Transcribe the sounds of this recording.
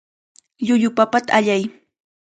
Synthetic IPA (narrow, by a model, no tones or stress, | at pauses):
ʎʊʎʊpapat̪aaʎaj